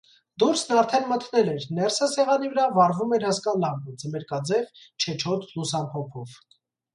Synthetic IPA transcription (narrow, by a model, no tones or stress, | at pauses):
d̪uɾsnɑɾt̪ʰɛnmət̪ʰnɛlɛɾnɛɾsəsɛʁɑnivəɾɑvɑɾvumɛɾhɑskɑnlɑmbəd͡zəmɛɾkɑd͡zɛvt͡ʃʰɛt͡ʃʰɔt̪ʰlusɑnpʰɔpʰɔv